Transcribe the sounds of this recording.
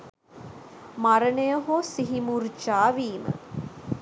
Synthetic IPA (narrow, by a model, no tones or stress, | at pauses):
maɾənəjəɦosiɦimurt͡ʃaːʋiːmə̰